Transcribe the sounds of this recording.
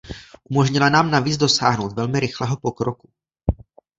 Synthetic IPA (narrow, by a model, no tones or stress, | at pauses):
ʔumo̞ʒɲɪlanaːmnaviːd͡zdo̞saːɦno̞wt̪vɛlmɪɾɪxlɛːɦo̞po̞kɾoku